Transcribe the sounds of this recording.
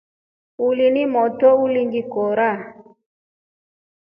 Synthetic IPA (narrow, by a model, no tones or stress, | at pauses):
ulinimɔtouliŋɡikoɾa